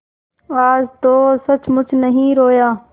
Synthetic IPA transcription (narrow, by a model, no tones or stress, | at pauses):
aːzt̪oːsət͡ʃmʊt͡ʃʰnəɦĩːɾoːjaː